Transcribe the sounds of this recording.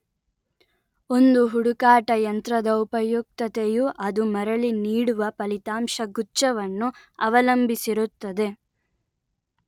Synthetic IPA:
o̞nd̪uɦuɽukaːʈɐjɐnt̪ɾɐd̪ɐupɐjuk̚t̪ɐt̪ejuʔɐd̪umɐɾɐɭiniːɽuʋɐpɐlit̪aːmʂɐɡuːt͡ʃɐʋɐnːu | ɐʋɐlɐmbisiɾut̪ːɐd̪e̞

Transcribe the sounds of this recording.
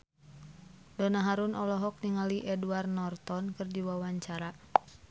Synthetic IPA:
dɔnaɦaɾunʔɔlɔɦɔk̚niŋaliʔɛduarnɔrt̪ɔnkɨrdiwawaɲt͡ʃaɾa

